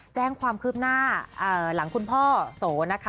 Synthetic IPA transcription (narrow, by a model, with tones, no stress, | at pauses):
t͡ɕɛː˥˩ŋkʰwaː˧mkʰɯː˥˩p̚naː˥˩ʔɤː˧˩la˩˦ŋkʰu˧npʰɔː˥˩soː˩˦na˦˥kʰa˦˥